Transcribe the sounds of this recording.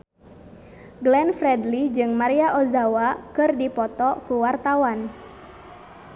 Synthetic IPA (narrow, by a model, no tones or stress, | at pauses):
ɡlɛnfɾɛdlid͡ʒɨŋmaɾiaʔozawakɨrdipɔt̪ɔkuwart̪awan